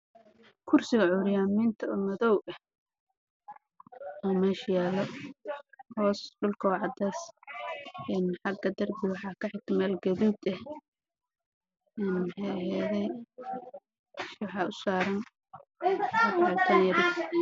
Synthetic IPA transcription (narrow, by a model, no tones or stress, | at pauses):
kʰʊrsɪɣɐʕʊɾɪjaːmɪnt̪ʰɐɔmɐðɔwɐh | ɔmɛːʃɐjaːlɔ | hɔːsɖʊlkʰɐʕɑd̪aːs | ɛnħɑɡɐd̪ɐrbɪwɑħɑːkʰɐħɪɡ̚t̪ʰɐmɛːlɡɐβiːd̪ɐh | ɛnmħɛjɐɦɛːðɛj | ʃwɑħɑːʔʊsaːɾɐn | ʊħat̪ʰɐnjɐɾɪ